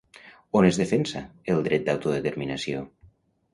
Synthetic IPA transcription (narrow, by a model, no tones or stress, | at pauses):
onezðefensaelˠd̪ɾɛt̪̚d̪awt̪uðet̪eɾminasio